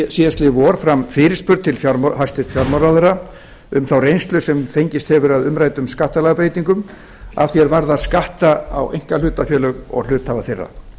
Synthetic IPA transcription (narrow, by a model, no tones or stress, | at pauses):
siast̪lɪvɔːɾ̥fɾamfɪːɾɪ̥spʏɾt̪ʰɪlfjaɾmhast̪ɪ̥t̪fjaɾmaɾaðʏɾa | ʏmθawrejnst̪lʏsɛmfejɲcɪst̪hɛvʏɾaðʏmɾaːjt̪ʏmskaht̪alaɣpɾejt̪iŋkʏm | a̰vθjɛɾvaɾðaðskaht̪aawʔejŋ̥kalʏːt̪afjœːlœɣɔ̰ɣl̥ʏːt̪havaθerːa̰